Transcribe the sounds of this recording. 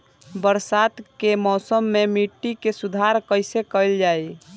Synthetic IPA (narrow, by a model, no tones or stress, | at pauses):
bəɾsat̪kemɔːsəmːemiʈːikesud̪ʱaɾkəɪjsekəɪld͡ʒaj